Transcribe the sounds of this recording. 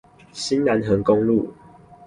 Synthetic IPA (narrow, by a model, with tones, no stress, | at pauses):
ɕi˦nla˨˦nɦə˨˦ŋko˦ŋlṵ˥˨